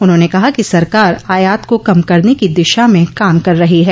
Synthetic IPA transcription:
ʊnɦõːnekɐɦakisɐɾkaːɾaːjaːt̪kokɐmkɐɾnekid̪ɪʃamẽkaːmkɐɾːɐɦiɦɛː

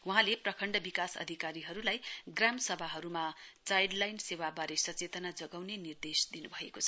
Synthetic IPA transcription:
wuɦãleprʌkʰʌɳɖʌbikasʌ̰d̪ʱikaɾiɦʌɾulajɡramsʌbʱaɦʌɾumat͡sajɖlajnsewabaɾesʌt͡set̪ʌnad͡zʌɡawnenird̪esd̪inubʱʌekot͡sʰʌ̥

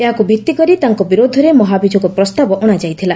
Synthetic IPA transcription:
eɦakubʱit̪ːikɔɾit̪aŋkɔbiɾod̪ʱɔɾemɔɦabid͡ʒʱɔkɔpɾɔst̪abɔʔoɽ̃ad͡ʒajt̪ʰila

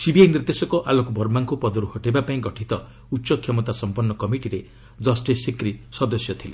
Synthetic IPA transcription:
sibiajniɾd̪esɔkɔʔalɔkubʱɔɾmaŋkupɔd̪ɔɾuhɔʈebapaĩɡɔʈʰit̪ɔ | utːsɔkʰjɔmɔt̪asɔmpɔnːɔkɔmiʈiɾe | d͡ʒɔsʈesikɾisɔd̪ɔsjɔt̪ʰile

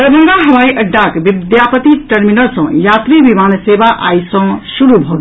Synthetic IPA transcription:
əbʱəŋɡ̪aɦɐʋajʔəɖːakbid̪japət̪iʈəɾminəɾsʌ̃jat̪ɾibimansebaʔa̰jsʌ̃suɾubʱoɡ

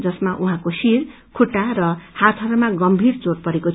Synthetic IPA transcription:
d͡zʌsmaʔuɦãkosiɾ | kʰuʈːaɾʌhat̪ʰʌɾumaɡʌmbʱiɾt͡soɽpʌɾeko

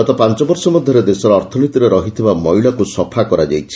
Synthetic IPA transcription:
ɔt̪ɔpant͡ʃɔbɔɾsɔmɔd̪ʱjɔɾed̪esɔɾɔːɾt̪ʰɔnit̪iɾeɾɔɦit̪ʰibamɔjɭakusɔpʰakɔɾad͡ʒajt͡ʃʰi̥

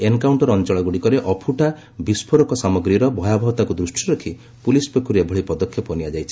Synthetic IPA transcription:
enkawɳʈɔɾɔnt͡ʃɔɭɔɡuɽikɔɾeʔɔpʰuʈa | bispʰɔɾɔkɔsamɔɡɾiɾɔbʱɔjabʱɔbɔt̪akud̪ɾusʈʰiɾɔkʰi | pulispekuɾebʱɔɭipɔd̪ɔkʰːjɔpɔnijad͡ʒajt͡ʃʰi̥

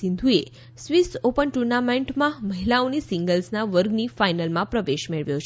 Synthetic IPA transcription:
ĩnd̪ʱue | sʋisʈopənʈuɾnameɳʈmãməɦilaonisĩŋɡəlsnaʋəɾɡnifajnəlmãpɾəʋeʃmeɭʋjõt͡ʃʰ

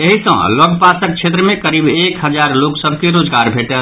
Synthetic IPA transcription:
eɦisə̰̃lɔɡpasək̚t͡ʃʰet̪ɾəmẽkəɾibekɦəd͡ʒaɾloksəbʱkeɾod͡ʒɡaɾbʱeʈə

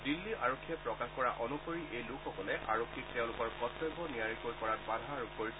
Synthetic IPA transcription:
dilːiʔaɹokʰːiɛpɹɔkaxkɔɹaʔɔnukoɹiʔejlʊkʰxɔkɔlɛʔa̰ɹokʰːik̚teʊ̃lʊkɔɹkɔtʰɔjbʱɔnijaɹikojkɔɹat̚badʱaɹuk̚koɹis

